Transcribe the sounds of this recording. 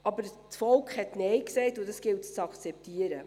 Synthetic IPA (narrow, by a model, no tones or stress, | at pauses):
ʔɑbəɾ | t͡sfɔlkχhɛtnɛjksɛɪtʊdɑsɡ̥ɪltt͡sɑkt͡sɛp̚tiəɾə